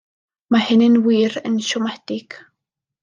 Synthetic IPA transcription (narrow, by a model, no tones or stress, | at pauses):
mahɪnənwiːɾənʃʊmaht̪ik